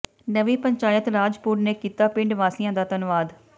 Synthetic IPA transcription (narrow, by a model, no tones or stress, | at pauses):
nəʋiːpəɲt͡ʃaːjət̪ɾaːd͡ʒpuːɾneːkiːt̪aːpɪ̃ɳɖʋaːsijãːd̪aːt̪ənʋaːd̪